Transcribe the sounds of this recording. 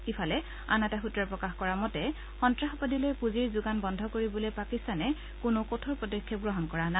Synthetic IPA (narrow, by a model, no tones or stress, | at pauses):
kipʰalɛ | a̰nataxutɹaɹpɹɔkaxkɔɹamɔtɛ | xɔntɹaxɔpɔdilojpuziɹzuɡanbɔndʱɔkoɹibɔlojpakistanɛ | kʊnʊkotʰɔɹpɔdɔkʰːjɔɡɹɔɦɔnkɔɹana